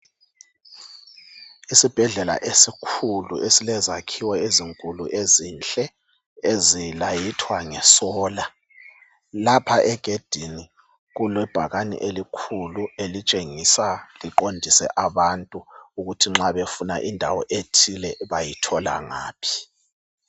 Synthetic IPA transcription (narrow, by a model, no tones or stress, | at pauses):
isib̥ʱɛɮɛla̰ʔesikʰulṵʔesilɛzakʰiwɛeziŋkʼuluʔezint͡ɬʼɛ | ezilajitʰwaŋɛsɔːla | lapʰaʔɛɡ̥ʱed̥ʱini | ɣulwɛb̥ʱaɣanḭʔelikʰuluelit͡ʃʼeŋisaliǃondʱisɛ̰ʔaβantʼuuɣutʰiŋ͡ǁaβefuna̰ʔindʱa̰wɔ̰ʔetʰilɛβajitʰɔla̰ŋa̰ːpʰi̥